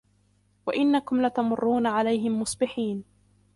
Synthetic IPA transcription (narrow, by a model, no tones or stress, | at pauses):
waʔɪnːakʊmlat̪amʊrːuːnaʕalajɦɪmːʊsˤbɪħiːn